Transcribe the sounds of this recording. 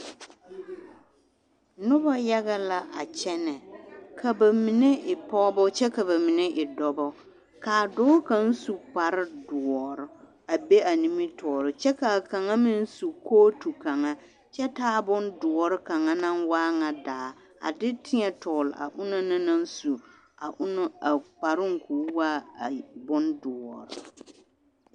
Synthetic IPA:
nʊ˦ba˦ja˦ɣa˦la˦ʔa˨t͡ʃɛ˦nɛ˨kʰa˨ba˨mi˨ne˦ʔɪ˨pɔ˦bɔ˦t͡ʃɛ˦ka˨βa˨mi˨ne˦ʔɪ˨dɔ˨bɔ˦ | kaː˨dɔː˦ka˦n̩˦su˨k͡pa˨ɾɪ˦dʊ˨ɔ˨ɾʊ˨ | a˨be˦a˨ni˦mi˦tɔː˨ɾɪ˨t͡ʃɛ˦ka˨ka˨ŋa˦mɪ˦n˦su˨koː˦tu˨ka˨ŋa˦ | t͡ʃɛ˦taː˦bʊ˦ndʊ˨ɔ˨ɾɪ˦ka˨ŋa˦na˦nwaː˦ŋa˨daː˨˦ | a̰˨dɪ˦tʰɪ˦ɲɛ˨tɔː˨lɪ̰˨a̰˨ʔʊ˦na˦nɪ˦na˦n̩˦su˨ | a˨˦n˦a˨k͡pa˨ɾɪ˦ŋ˨kuː˨˦waː˦˨bʊ˦ndʊ˨ɔ̰˨ɾʊ˨

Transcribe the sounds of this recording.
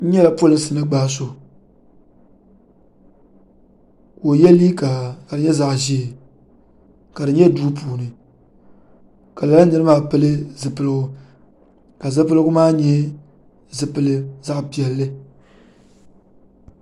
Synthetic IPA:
n̩˦ɲɛ˦la˨po˦lɨ˦n˦sɨ˨nɨ˦ɡ͡baː˦s̬o˨ | ko˨jɛ˦li˦ka˨ka˨dɨ˨ɲɛ˦za˨ʔʒi˦˨ | ka˨dɨ˨ɲɛ˦duː˦puː˨nɨ˨ | ka˨la˨la˦nɨ˦ɾɨ˦maː˦pɨ˦lɨ˦zɨ˨pɨ˨lɨ˦ɡʊ˦ | ka˨zɨ˦pɨ˦lɨ˦ɡʊ˦maː˦ɲɛ˦ | zɨ˨pɨ˨lɨ˦za˦ʔpi˨ɛ˨lːɨ˦

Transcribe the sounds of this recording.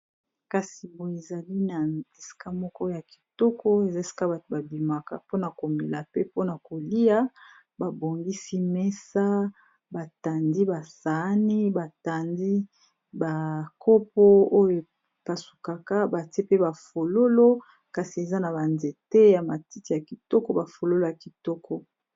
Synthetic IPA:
ka˨si˨bo˨e˨za˨li˦na˨e˨si̥˨ka˦mɔ˦kɔ˦o˦ja˨ki̥˨tɔ˦kɔ˦e˨za˦e˦si̥˦ka˦˨ba˨bi˨ma˨ka̰˦po˦na˨ko˨me˨la˨pe˦po˦na˨ko˨li˦ja˦ | ba˨bo˨ŋɡi˦si˦mɛ˦sa˦ | ba˨ta˨ndi˦ba˨sa˨˦ni˦ba˨ta˨ndi˦ | ba˨kʰo˦p̚ɔ˦o˦jo˨ | pa˨su˨ka˨ka˦ba˨te˦pe˦ba˨fo˨lo˦lo˦ | ka˨si˨e˨za˦na˨ba˨nze˨te˦ja˨ma˨ti˦ti˨a˨ki˨tɔ˦kɔ˦ba˨fo˨lo˦lo˦ja˨ki˨tɔ˦kɔ˦

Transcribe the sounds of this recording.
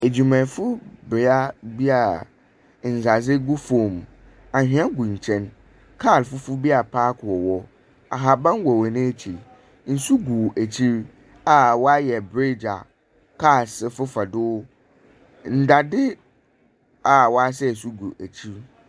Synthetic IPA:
e˨d͡ʑu˨mɛ̃˨fʊ˦bɪ˨a˦bi˦a˨ | n̩˨za˨zɪ˦ɡu˦fõ˨m | ã˨ɦᶣɪ̃˦ã˦ɡũ˨ɲ̩˨t͡ɕʰɛ̃˦n | kʰa˦˨lfʊ˦fʊ˦bi˦a˨pʰaː˦kʰʊ˨ɔ˨wɔ˦ | a̰˨ɦa˨bã˦nwɔ˨wɛ˨nɪ̃˦æ˦t͡ɕʰi˨ɾ | n̩˨su˦ɡu˨æ˨t͡ɕʰi˦ɾ | a˨wɔ˦a˦jɛ˨bɾe˦d͡ʑa̰˨ | kʰaː˦˨sɪ˨fʊ˦fa˨dʊ˦ | n̩˦˨da˨dɪ˦ | a˨wɔ˨a˦s̬ɛ˦˨su˦ɡu˨ʔæ˨t͡ɕʰi˦ɾ

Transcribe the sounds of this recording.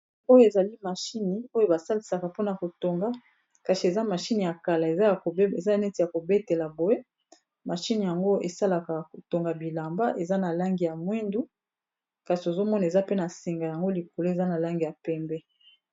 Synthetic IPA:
o˦jo˦e˨za˨li˦ma˨ʃi˦ni˨o˦jo˦ba˨sa˦li˨sa˨ka˨po˦na˨ko˨to˨ŋɡa˦ | ka˨ʃi˨e˨za˦ma˨ʃi˦ni˨ja˨ka˨la˨e˨za˦˨ko˨˦e˨za˦nɛ˦ti˨ja˨ko˨be˦te˨la˨bo˨e˦ | ma˨ʃi˦ni˨ja˨ŋɡo˦e˨sa˦la˨ka˨ko˨to˨ŋɡa˨bi˨la˨mba˦ʔe˨za˦na˨la˦ŋɡi˨ja˨mwɛ˦ndu˦ | ka˨si˨o˨zo˦mɔ˦na˨e˨za˦pe˦na˨si˨ŋɡa˨ja˨ŋɡo˦li˨ko˨lo˦e˨za˦na˨la˦ŋɡi˨ja˨pɛ˦mbɛ˦

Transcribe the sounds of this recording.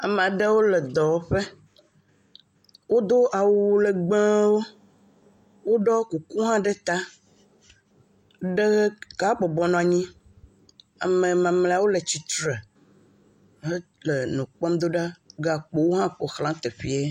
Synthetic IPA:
a˨mẽ˨a˨ɖe˦wo˦le˨d̪ɔ˨wo˦ɸe˦ | wo˦d̪o˦ʔa˨wu˨˦le˨ɡ͡bẽ˦wo˦ | wo˦ɖɔ˦ku˨ku˦ɦã˦ɖe˦t̪a˦ | ɖe˦ɣka˦k͡pɔ˨bɔ˨nɔ̃˨a˨ɲĩ˦ | a̰˨mẽ˨mã˨mle˨a˨wo˦le˨t͡ɕi˨t̪ɾe˨ | e˦ | le˨nũ˨k͡pɔ˦m˦d̪o˦ɖa˦ɡa˨k͡po˨wo˦ɦã˦k͡po˨xlã˦t̪e˨ɸi˦e˦

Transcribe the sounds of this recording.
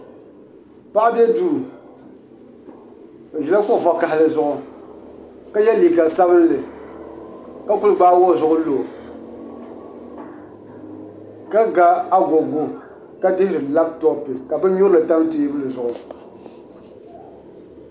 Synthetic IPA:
pa˦ʔa˦bjɛ˦duː˦˨ | ʒɛ˨la˦kʊ˦ʔfa˨ka˨hɪ˨lɨ˨zʊ˨ʔʊ˨ | ka˦jɛ˦liː˨ka˨sa˦βɨ˦n˦lɨ˨ | ka˦ku˦lɨ˨ɡ͡baː˦wɔ˦˨zʊ˨ʔʊ˦lo˨ | ka˦ɡa˦a˦ɡo˨ɡo˦ | ka˦dɪ˦hɪ˦ɾɨ˨la˦b̚tɔ˦pɪ˨ka˨bɛ˦ɲʊ˦ɾlɨ˨ta˦m˦teː˨˦bɨ˦lɨ˨zʊ˨ʔʊ˨

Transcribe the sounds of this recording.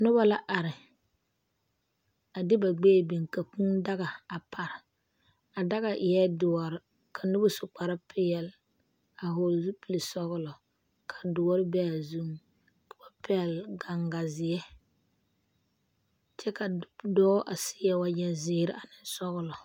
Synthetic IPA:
nʊ˦ba˦la˦ʔa˨ɾɪ˨ | a˨dɪ˦ba˨ɡ͡beː˦˨bi˨ŋka˨ku˦ŋda˦ɣa˨a˨pʰa˨ɾɪ˨ | a˨da˦ɣa˨ʔɪ˨jɛ˦dʊ˨ɔ˨ɾɪ˨ | kʰa˨nʊ˦bʊ˦sʊ˨k͡pa˨ɾa˦pʰɪ˦jɛ˨l | a˨ɦo˨lzu˦pi˨li˨sɔ˦ɣʊ˦lɔ˨ | kʰa˨dʊ˨ɔ˦ɾɪ˦bɛ˦a˨zu˦m | kʊ˦ba˦pɛ˦˨lɡa˨ŋɡa˨zɪ˨jɛ˦ | t͡ʃɛ˦ka˨dɔː˦ʔa˨sɪ̥˦jɛ˨wa˨ɲɛ˨nzɪː˨˦ɾɪ̰˦a˨nɪ˨n˦sɔ˦ɣʊ˦lɔ˨

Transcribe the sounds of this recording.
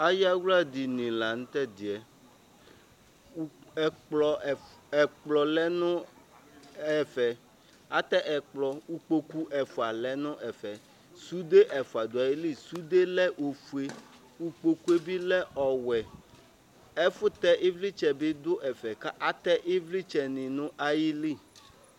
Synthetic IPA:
a˦ja˦wla˦d̪i˨nĩ˨la˨ŋ̩̃˦t̪ɛ˦d̪i˨ɛ˨˦˨ | k͡plɔ˨ɛ˨k͡plɔ˨lɛ˦nʊ̃˦ | ɛ˨fɛ˨ | a˦t̪ɛ˦ʔɛ˨k͡plɔ˨u˦k͡po˨ku˦ʔɛ˨fu˨a˨lɛ˦nʊ̃˦ʔɛ˨fɛ˨ | su˦d̪e˦ʔɛ˨fu˨a˨d̪o˨a˨ji˦li˦su˦d̪e˦lɛ˦ʔo˨fu˨e˦ | wu˦k͡po˨ku˦e˦bi˦lɛ˦ʔɔ˨wɛ˨ | ɛ˦fʊ˦t̪ɛ˦ʔi˦vli˦t͡ʃɛ˨be˦d̪ʊ˦ʔɛ˨fɛ˨ka˦ʔa˦t̪ɛ˦ʔi˦vli˦t͡ʃɛ˨nĩ˨nʊ̃˦ʔa˨ji˦li˦˨

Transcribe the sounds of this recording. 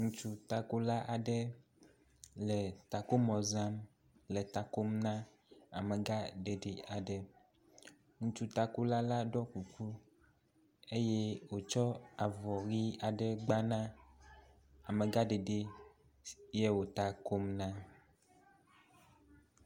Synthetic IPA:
ŋũ˦t͡ʃu˦t̪a˨ko˦la˦ʔa˨ɖɛ˦ | lɛ˨t̪a˨ko˦mɔ̃˨zã˦m | lɛ˨t̪a˨ko˦mnã˦ | a˨me˨ɡa˦ɖe˨ɖe˨a˨ɖɛ˨ | ŋũ˦t͡ʃu˦t̪a˨ko˦la˦la˦ɖɔ˦ku˨ku˦ | e˦je˦wo˨t͡ʃɔ˦a˨vɔ˨ɣi˦a˨ɖɛ˦˨ɡ͡ba˦nã˦ | a˨me˨ɡa˦ɖe˨ɖe˦ | je˦wo˨t̪a˨ko˦mnã˦

